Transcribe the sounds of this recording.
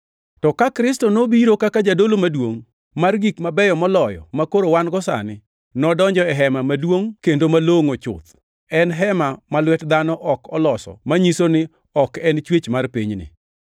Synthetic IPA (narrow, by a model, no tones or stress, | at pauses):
tɔkakɾɪstɔnobiɾokakad͡ʒadolomadwoŋ | marɡikmabɛjɔmɔlɔjɔ̰makoɾowanɡɔsa̰nɪ | nɔdɔɲd͡ʒɔɛɦɛmamadwoŋkendomaloŋot͡ʃʊ̰t̪ | ɛnɦɛmamalwɛtd̪anɔʔɔkɔlɔsɔ̰maɲisonɪ | ɔkɛnt͡ʃwet͡ʃmarpiɲnɪ̰